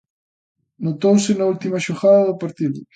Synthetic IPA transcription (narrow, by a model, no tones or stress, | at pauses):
not̪owsɪnault̪imɐʃoɣaðɐðʊpaɾt̪iðʊ